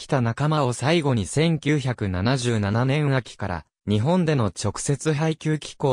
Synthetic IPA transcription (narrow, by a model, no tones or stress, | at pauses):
kʲi̥t̪anakamao̞saiɡo̞ɲ̟isẽ̞ŋkʲɨːçakɯ̟nanaʑɨːnananẽ̞ɰ̃akʲi̥kaɾa̰ | ɲ̟iɦõ̞nd̪e̞no̞t͡ɕo̞kɯ̟̥se̞t͡sɨɦaikʲɨːkʲi̥ko̞ː